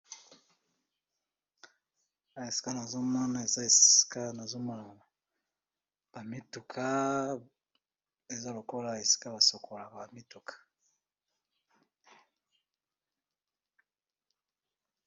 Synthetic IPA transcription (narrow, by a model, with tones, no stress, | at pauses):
a˨e˨si̥˦ka˦na˨zo˦mɔ˦na˦e˨za˦e˨si̥˦ka˦na˨zo˦ma˦l | b̥a˨mi˦tu˨kʰa˦ | e˨za˦lo˨ko˦la˦e˨si̥˦ka˦βa˨so˨kʰo˨la˨ba˨mi˦tu˨kʰḁ˨